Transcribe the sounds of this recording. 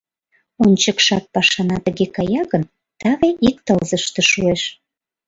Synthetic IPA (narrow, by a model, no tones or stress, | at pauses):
onʲt͡ɕəkʃɑt̪̚pɑʃɑnɑt̪əɣekɑjɑɣən | t̪ɑβeʔik̚t̪əlzəʃt̪eʃueʃ